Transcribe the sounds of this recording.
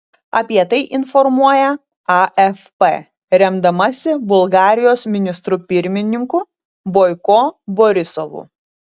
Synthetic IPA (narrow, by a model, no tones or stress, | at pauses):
ɐpʲiɛt̪ɐɪʔɪnfɔɾmuɔjɛ | ɐʔɛfpe | ɾʲɛmd̪ɐmɐsʲɪbʊlˠɡɑːɾʲɪjoːsmʲɪnʲɪst̪ɾupʲɪɾʲmʲɪnʲɪŋkʊ | boːɪkoːboɾʲɪsɔʋṵ